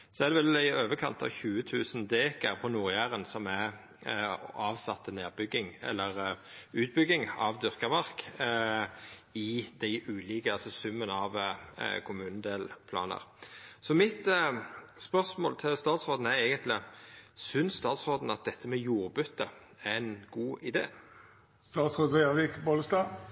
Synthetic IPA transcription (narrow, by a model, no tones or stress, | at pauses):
sɔæʁd̪ɛʋɛlæɪøːʋəkʰɑ̰nt̪ʰɑ̰ʋçʉːət̪ʰʉːsənd̪eːkəɾpʰɔnuːɾjæːɾənsɔmæ | ɑːʋsɑt̪ːəneːʁbʏɡːɪŋɛ̰lːəɾʉːt̪̚bʏɡɪŋɑ̰ʋd̪ʏʁkəmɑʁk | ɪd̪̥æɪʔʉːliːkəɑlsɔsʉmːənɑʋkʰʊmʉːnənd̪eːlpʰlɑ̰ːnə̰ɾsɔmɪt̪ | spœʁsmo̰ːlt̪ʰɪlst̪ɑːt̪sʁoːd̪n̩æɾɛɪɡənt̪ʰlɪsʏnsst̪ɑːt̪sʁoːd̪n̩ɑt̪̚d̪ɛt̪ʰːəmɛjuːʁbʉt̪ːə | æɛnɡuːʔɪd̪ḛː | st̪ɑːt̪sʁoːd̪ʁeʋɪkboːləst̪ɑː